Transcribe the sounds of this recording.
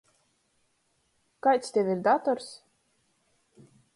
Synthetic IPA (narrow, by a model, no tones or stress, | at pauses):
kajt̪st̪ʲɛvʲiɾd̪at̪ɔɾs